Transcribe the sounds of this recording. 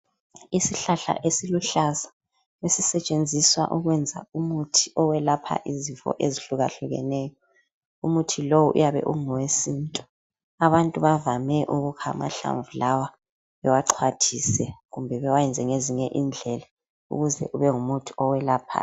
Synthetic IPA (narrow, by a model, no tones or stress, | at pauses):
isiɬaɬa̰ʔesiluɬaza | wesisɛt͡ʃʼend͡zʱiswa̰ʔuɣwɛnd͡zʱa̰umutʰi̥ɔwɛlapʰa̰ʔizifɔ̰ʔeziɬuɣaɬuɣɛ̰nɛːjɔ | umutʰilowuʔṵjaβɛ̰ʔuŋɔwesiːntʼɔ̥ | aβantʼuβavamɛʔuɣukʰa̰ma̰ɬa̰ɱvulawa | βɛwaǃʰwatʰisɛɣumbʱɛβɛwajɛnd͡zʱɛŋeziɲɛʔind͡ɮʱɛla | ṵɣuzɛ̰ʔuβɛŋumutʰi̥ɔwɛlaːpʰa̰